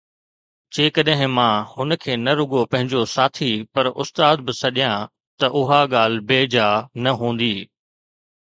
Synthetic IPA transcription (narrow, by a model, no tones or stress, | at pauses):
d͡ʑeːkɐɗɦɪ̃mãːhʊnkʰeːnɐɾʊɠopɐ̃ɦɪ̃ɲd͡ʑosaːt̪ʰipɐɾʊ̰st̪aːd̪̚bɪsɐɗijã | t̪ɐʔʊɦaɠaːl̤beːd͡ʑaːnɐɦũːn̆d̪iː